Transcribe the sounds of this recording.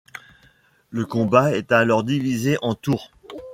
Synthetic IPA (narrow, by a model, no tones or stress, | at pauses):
ləkɔ̃baɛt̪alɔʁd̪ivizeʔɑ̃t̪uʁ